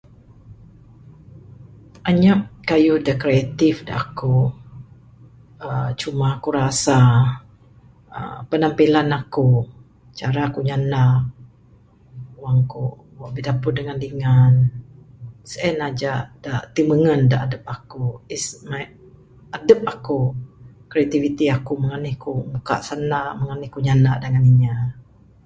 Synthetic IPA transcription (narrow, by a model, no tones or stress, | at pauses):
ʔaɲaʔkajudəkɾeat̪ifda̰ʔaku | ət͡ʃumaakuɾasa | ə̰pənampilanaku | t͡ʃaɾakuɲanak̚ | waŋku | waʔbihdapʊt̪̚dəŋandiŋan | səɛnad͡ʒaʔdaʔt̪iməŋəndaʔadəp̚akuisma | adəp̚aku | kɾeat̪ivit̪iakuməŋanɪhkumuka̰ʔsanaʔməŋanɪhkuɲanaʔdəŋaniɲa